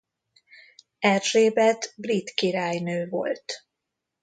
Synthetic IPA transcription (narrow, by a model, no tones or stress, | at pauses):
ɛrʒeːbɛt̪brit̪kiɾaːjnøːvo̞̰lt̪